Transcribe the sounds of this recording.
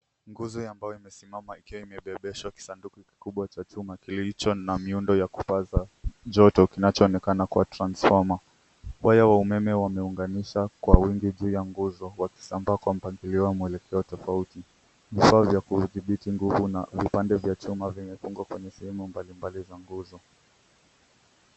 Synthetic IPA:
ŋɡuzɔambajɔimɛsimamaikiwaimɛɓɛɓɛʃwaki̥sandukiki̥kuɓwat͡ʃat͡ʃumakilit͡ʃɔnamiundɔjakupazaʄɔtɔkinat͡ʃɔːnɛkanakuatɾansfɔɾma | wajawaumɛmɛwamɛuŋɡaniʃakwawiŋɡiʄuːjaŋɡuzɔwaki̥sambaːkwam̩paŋɡiliɔwamuɛlɛkʰɛɔtɔfauti | vifaːvjakuðiɓitiŋɡuvunavipandɛvjat͡ʃumavimɛfuŋɡwakwɛɲɛsɛhɛmumbalimbalizaŋɡuzɔ

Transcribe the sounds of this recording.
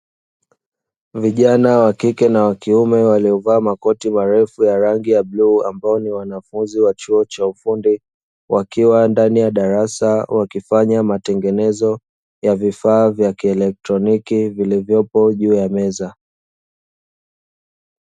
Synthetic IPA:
viʄanawakikɛnawakiumɛwaliɔvaːmakɔtimaɾɛfujaɾaŋɡijabluːambaɔniwanafunziwat͡ʃuɔt͡ʃaufundi | wʔakiwandanijaɗaɾasawakifaɲamatɛŋɡɛnɛzɔ | javifaːvjakiɛlɛk̚tɾɔnikivilivjɔpɔʄuːjamɛza

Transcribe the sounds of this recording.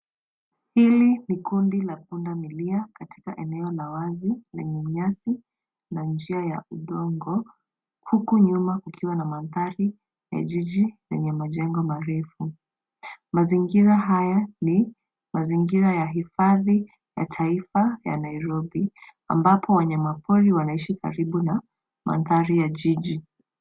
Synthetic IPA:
hilinikundilap̚undamiliakatʰi̥kaʔɛnɛɔlawazilɛ̰ɲɛɲasi | nand͡ʒiaja̰uɗɔŋɡɔ | hukuɲumakukʰiwanamanðaɾi | ja̰ʄiʄiɾɛ̰ɲɛmaʄɛŋɡɔmaɾɛfu | maziŋɡiɾaɦajani | maziŋɡiɾajaɦifaði | ja̰tʰaifaja̰naiɾɔɓi | a̰mbapʰɔwaɲamapʰɔɾiwanaiʃika̰ɾiɓuna | mʔa̰nðaɾijaʄiʄi

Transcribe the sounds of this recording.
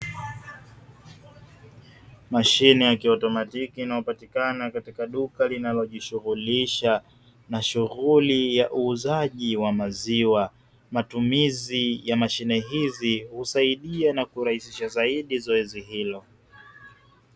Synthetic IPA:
maʃinɛjakiɔtɔmatikiːnaɔpatikanakatikaɗukalinalɔʄiʃuɣuliʃa | naʃuɣulijaʔuːzaʄiwamaziwa | matumizijamaʃinɛɦizihusaiɗianakuɾahisiʃazaiɗizɔɛziɦilɔ

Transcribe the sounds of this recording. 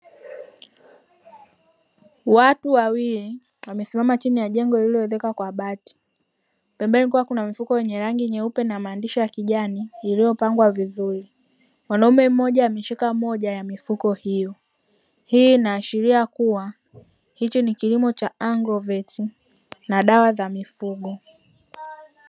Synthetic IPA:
watuwawili | wamɛsimamat͡ʃinijaʄɛŋɡɔililijɔɛðɛkakwaɓati̥ | pɛmbɛɛnikuwakunamifukɔjɛɲɛɾaŋɡiɲɛupɛnamaːndiʃɔjakiʄaniːlijɔpaŋɡwaviðuɾi | mwanaumɛm̩mɔʄajamiʃikamɔʄajamifukɔhijɔ | hiːnaːʃiɾiakuwa | hit͡ʃɔnikilimɔt͡ʃaʔaŋɡɾɔvɛti | naɗawazamifuɠɔ

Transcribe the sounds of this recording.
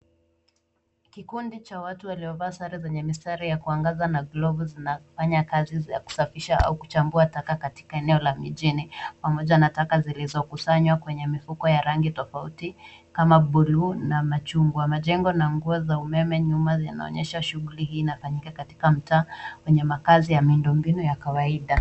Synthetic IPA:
kikundit͡ʃawatuwaliɔvaːsaɾizɛɲɛmistaɾijakuaŋɡazanaɡlɔvuzinafaɲakaziza̰ku̥safiʃaa̰uku̥t͡ʃambuatakakati̥kaɛnɛɔlamiʄinipamɔʄanatakazilizɔkusaɲwakwɛɲɛmifukɔjaɾaŋɡitɔfauti | kamaɓulunamat͡ʃuŋɡwamaʄɛŋɡɔnaŋɡuɔzaumɛmɛɲumaja̰na̰ɔ̰ɲɛʃaʃuɣulihiːnafaɲikakati̥kam̩taːkwɛɲɛmakazijamindɔmbinujakawaiɗa

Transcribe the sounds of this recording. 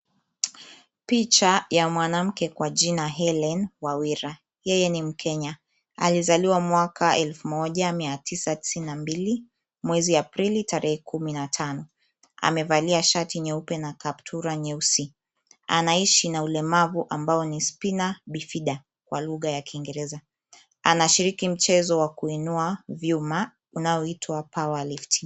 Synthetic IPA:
pit͡ʃajamwanam̩kɛkwad͡ʒinaɦɛlɛnwawiɾa | jɛjɛnim̩kʰɛɲa | a̰lizaliwamwakʰaʔɛlfumɔʄamiatʰisati̥sininambili | mwɛziapɾilitaɾɛhɛkʰuminatʰanɔ | a̰mɛvaliaʃatiɲɛupɛnakap̚tʰuɾaɲɛusi | a̰naiʃinaulɛmavuʔambaɔnispinaɓifiɗa | kwaluɣajakʰiŋɡɛɾɛza | a̰naʃiɾikim̩t͡ʃɛzɔwakuinuavjuma | unaɔitʰwapawalifti̥

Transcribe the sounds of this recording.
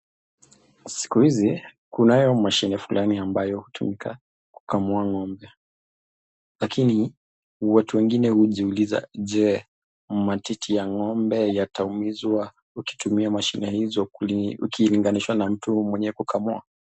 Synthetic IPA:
si̥kuhizi | kunajɔmaʃinɛfulʔaniambajɔhutumika | ku̥kamuaŋɔmbɛ | lakini | watuwɛŋɡinɛhuʄiuliza̰ʄɛ | matitʰijaŋɔmbɛjataumizwa | uki̥tumiamaʃinɛhizɔukʰiliŋɡaniʃwanam̩tumwɛɲɛkukʰamua̰

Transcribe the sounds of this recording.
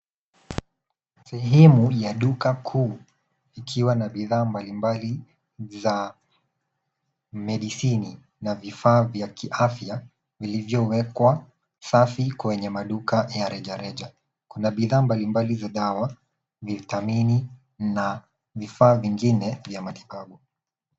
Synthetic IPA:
sɛɦɛmujaɗukakʰuː | ikʰiwanaɓiðaːmbalimbali | za | mɛɗisini | navifaːvjakʰiʔafja | vilivjɔwɛkwa | safikwɛɲɛmaɗukajaɾɛʄaɾɛʄa | kunaɓiðaːmbalimbalizaɗawa | viθamini | na | vifaːviŋɡinɛvjamati̥ɓaɓu

